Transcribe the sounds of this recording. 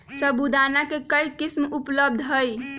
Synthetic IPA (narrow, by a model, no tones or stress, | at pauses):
səbud̪anakekəjkismupləb̚d̪ʱɦəj